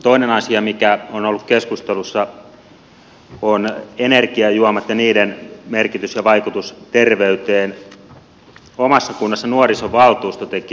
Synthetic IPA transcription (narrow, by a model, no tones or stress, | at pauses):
t̪oinenɑsiɑmikæonolːukkeskust̪elusːɑ | onenerkiɑjuɑmɑt̪jɑniːdenmerkit̪ysjɑʋɑikut̪ust̪erʋeyt̪eːn | omɑsːɑkunːɑsːɑnuorisoʋɑlt̪uːst̪ot̪eki